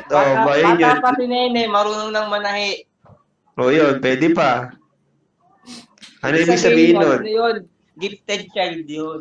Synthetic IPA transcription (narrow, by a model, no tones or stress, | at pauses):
ʔoʔbajonjoapɐsɪnɛjnɛmɐɾuːnoŋnɐŋmɐnɐhɛʔ | ʔoːjonpwɛːd̪ɛpa | ʔɐnoʔiːbɪɡ̚sɐbiːhɪnːonjon | ɡɪft̪ɛd͡ʒ̚t͡ʃajd̪jon